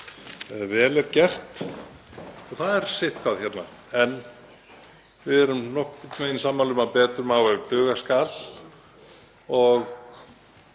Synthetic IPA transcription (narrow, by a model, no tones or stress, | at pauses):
ɛvɛːlɛɾcɛr̥t̪ | ɔθaðɛɾ̥sɪht̪kʰvaðçɛt̪na | ɛn | vɪðɛɾʏmnɔhkʏt̪meːjnsaːmːalʏmapɛːt̪ɾʏmawɛp̪ʏːɣaskal | ɔɣ